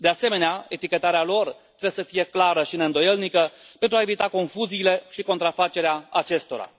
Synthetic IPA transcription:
d̪ease̞me̞neae̞t̪ikʲe̞t̪aɾealo̞rt̪ɾejesəfije̞klaɾəʃineɨnd̪o̞je̞lnikəpe̞nt̪ɾuae̞vit̪ako̞nfuziːle̞ʃiko̞nt̪ɾafat͡ʃe̞ɾeaat͡ʃe̞st̪o̞̰ɾa̰

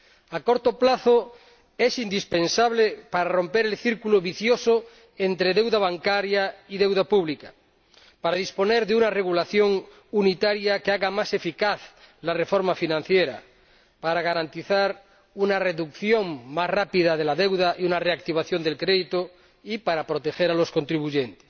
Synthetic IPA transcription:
ako̞ɾt̪oplaθo | esind̪ispensaβlepaɾaro̞mpeɾe̞lθiɾkuloβiθjoso | ent̪ɾeðe̞wðaβ̞aŋkaɾjaiðe̞wðapuβlika | paɾaðisponeɾðeunareɣulaθjoŋ | unit̪aɾjakeaɣamase̞fikaθ | larefoɾmafinãnθjeɾa̰ | paɾaɣaɾant̪iθaɾ | unareðukθjo̞ŋmasrapiðaðelaðewðaʔiunareak̚t̪iβaθjo̞nd̪e̞lkɾeðit̪o | ipaɾapɾot̪exeɾalo̞sko̞nt̪ɾiβ̞uʝent̪e̥s

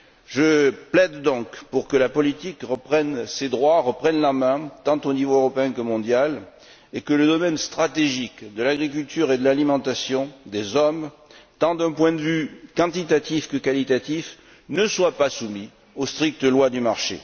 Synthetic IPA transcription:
ʒəplɛd̪ːɔ̃kpuʁkəlapɔlit̪ikʁəpχɛnsed̪ʁwaʁəpχɛnlamɛ̃t̪ɑ̃t̪onivoøʁɔpeɛ̃kəmɔ̃d̪jal | ekələd̪ɔmɛnst̪χat̪eʒikd̪əlaɡʁik̬ylt̪yʁed̪əlalimɑ̃t̪asjɔ̃d̪ezɔm | t̪ɑ̃d̪ɛ̃pwɛ̃d̪əvykɑ̃t̪it̪at̪ifkəkalit̪at̪if | nəswapasumi | ost̪χik̚t̪əlwad̪ymaʁʃḛ

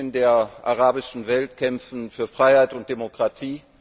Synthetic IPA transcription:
ndeːɐʔaʁaːbɪʃn̩vɛltkʰɛmfn̩fyːɐfʁ̥aɪhaɪtʊnt̚d̥emokʁ̥atʰiː

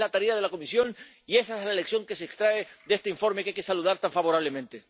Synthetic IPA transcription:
lat̪aɾiaðe̞lako̞misjo̞n | ie̞saezlaeleksjo̞ŋke̞seːkst̪ɾaeðest̪eiɱfo̞ɾmekajke̞saluðaɾt̪aɱfaβo̞ɾaβle̞mẽnt̪e

